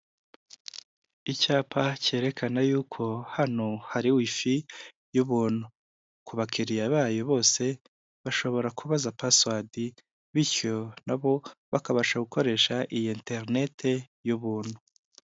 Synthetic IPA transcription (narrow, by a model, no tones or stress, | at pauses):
icaːpʰace̞ːɾe̞kʰanajuːkʰo̞hanohaɾiwifi | juβuːn̥hu | kuβakʰiɾijaβaːjo̞βo̞ːse̞ | βaʃo̞βo̞ɾakuβazapaswadi | βiɾco̞naβo̞βakaβaʃaɡuko̞ɾe̞ːʃaʔijeːnte̞ɾne̞tʰe̞ | juβuːn̥hu